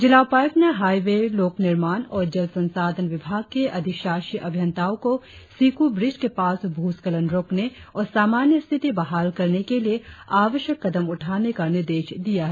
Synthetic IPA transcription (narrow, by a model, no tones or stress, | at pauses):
d͡ʒɪlaːʋpaːjəkneɦaːiʋeloːknɪɾmaːnɔːɾd͡ʒɐlsɐ̃nsaːd̪ʱənʋɪbʱaːɡ̚keʔɐd̪ʱɪʃaːʃiʔɐbʱjə̃nt̪aːõko | siːkubɾɪd͡ʒkepaːsbʱuːskələnɾoːkneɔːɾsaːmaːnjəst̪ʰɪt̪ibɐɦaːlkɐɾnekelieaːʋəʃjəkːɐd̪əmʊʈʰaːnekanɪɾd̪eːʃd̪ijaɦɛː